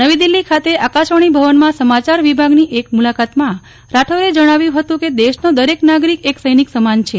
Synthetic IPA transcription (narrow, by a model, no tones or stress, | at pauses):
nəʋid̪ilːikʰat̪eʔakaʃəɽ̃ibʱəʋənmãsəmat͡ʃaɾʋibʱaɡniʔek̚mulakat̪mã | ɾaʈʰoɾed͡ʒəɽ̃aʋjũɦət̪ũked̪eʃnod̪əɾeknaɡɾikeksəjniksəmant͡ʃʰe